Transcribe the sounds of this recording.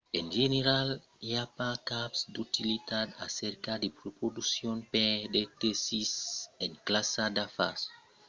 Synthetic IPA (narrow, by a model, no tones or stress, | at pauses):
ẽnʒeneɾal | japakapsd̪ut̪ilit̪ad̪a̰seɾkad̪epɾopɾod̪usjõnpɛ̃d̪et̪esisẽŋklasad̪afas